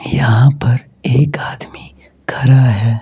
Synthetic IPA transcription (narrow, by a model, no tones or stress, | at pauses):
jɐɦãpɐɾ | eːkaːd̪mi | kʰɐɾaɦɛː